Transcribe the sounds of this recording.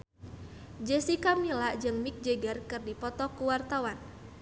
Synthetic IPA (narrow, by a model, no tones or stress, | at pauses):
d͡ʒɛsikamilaʔd͡ʒɨŋmik̚d͡ʒeɡarkɨrdipɔt̪ɔkuwart̪awan